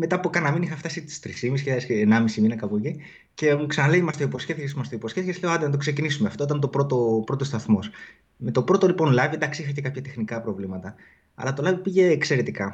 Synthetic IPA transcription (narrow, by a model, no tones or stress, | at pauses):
me̞t̪ɐpokɐnɐminixɐft̪ɐsit̪i̥st̪ɾisimiscesːnɐmisiminɐkɐpoci | ce̞muksɐnɐleimɐst̪oipo̞sce̞θicesmɐst̪oipo̞sçeθiçesle̞oɐd̪enɐt̪̬okse̞cinisumeɐft̪oit̪ɐnt̪o̞pɾo̞t̪o̞pɾo̞t̪o̞st̪ɐθmo̞s | me̞t̪o̞pɾo̞t̪o̞lipo̞nlɐvied̪ɐksiixɐcekɐpçɐt̪e̞xnikɐpɾo̞vlimɐt̪ɐ | ɐ̰lɐt̪o̞lɐvipiʝe̞ːkse̞ɾet̪ikɐ